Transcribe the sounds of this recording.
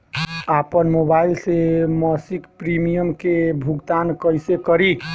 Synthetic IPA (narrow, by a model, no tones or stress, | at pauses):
apənmobailseməsikpɾimijəmkebʱuɡt̪ankəjsekəɾi